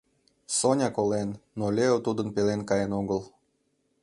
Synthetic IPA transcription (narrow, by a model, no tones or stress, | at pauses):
sonʲɑkolenːolʲeot̪ud̪ənpelenkɑjenoɡəl